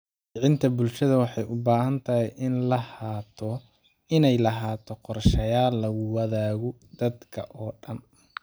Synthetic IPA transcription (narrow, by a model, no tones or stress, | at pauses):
ʕɪnt̪ʰɐbʊlʃɐðɐwɑħɑjʊbaːɦɐnt̪ʰɐɦɛjʔɪnlɐhaːt̪ʰɔ | ɪnɛjlɐɦaːt̪ʰɔqɔrʃɐjaːlːɐɣʊwɑðaːɣɔd̪̥ɐd̪kʰɐ̰ʔɔːɖɐn